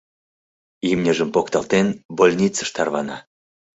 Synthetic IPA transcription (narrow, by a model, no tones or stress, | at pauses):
imnʲəʒəmpokt̪ɑlt̪enbolʲnʲit͡sə̥ʃt̪ɑrβɑnɑ